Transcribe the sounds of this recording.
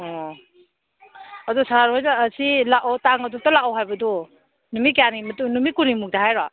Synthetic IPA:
ɔ | adusaɾaɾɦɔjnaːsilaʔɔtaŋaduk̚talaɔwɦajbɐdɔ | numikeanimɐtunumikunimuk̚daɦajɾa

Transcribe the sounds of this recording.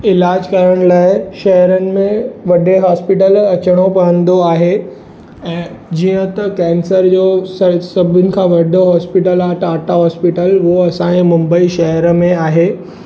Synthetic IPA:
ɪlaːd͡ʑkɐɾəɽ̃laːɪʃɐɦəɾənɪ̆mẽʋɐɖeɦaːspɪʈəlɐt͡ɕəɽ̃opɐɽə̃nd̪oaːɦe | ɛ̃ːd͡ʑiːə̃t̪ɐkɛ̃ːnsəɾd͡ʑosɐsɐbʱɪnɪ̆kʰãʋɐɖoɦɔːspɪʈəlaːɦt̪aːʈaɦɔːspɪʈəlɦoɐsãẽmʊ̃mbəiʃɐɦəɾəmẽaːɦe

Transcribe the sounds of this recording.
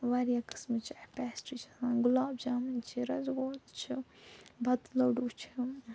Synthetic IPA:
ʋaɾjakɨ̥smɨt͡ʃʰipɛːsʈit͡ʃʰisãːɡʊlaːbd͡ʒaːmɐnt͡ʃʰiɾɐzɡoːt̪t͡ʃʰibʱɐt̪lɐwɖuːt͡ʃʰi̥

